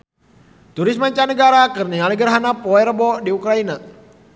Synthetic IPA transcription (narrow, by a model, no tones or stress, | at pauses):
t̪uɾismaɲt͡ʃanəɡaɾakɨrnialiɡərɦanapɔɛɾəbɔdiukɾaina